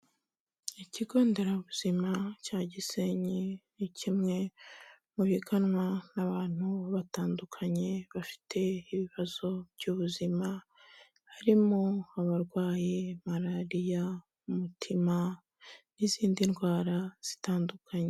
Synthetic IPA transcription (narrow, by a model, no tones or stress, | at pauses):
iciɡo̞ːnde̞ɾauβuz̥imacaːɟiseɲinicʰimŋe̞ | muβiɡanwanaβaːn̥huβataːndukʰaɲe̞βafi̥tʰe̞iβiβaz̥o̞v̥ɟuːβuzima | haɾimoaβaɾɡwaːjemaɾaɾija | umutʰima | niziːndinɡwaːɾaz̥i̥taːndukʰaɲe